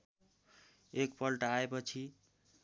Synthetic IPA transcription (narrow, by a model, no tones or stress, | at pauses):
ekpʌlʈaaepʌt͡sʰi